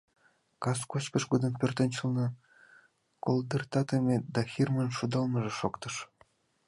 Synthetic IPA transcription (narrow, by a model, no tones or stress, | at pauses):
kɑskot͡ɕkəʃɡod̪ənpʲørt̪ə̆nʲt͡ɕəlnɤ̆ | kold̪ərt̪ɑt̪əmʲed̪ɑxirmənʃud̪ɑlˠmə̆ʒĕʃokt̪ɤʃ